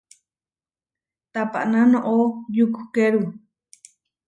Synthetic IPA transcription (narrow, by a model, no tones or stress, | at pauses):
t̪apa̰ʔnãnõʔojuku̥keɾu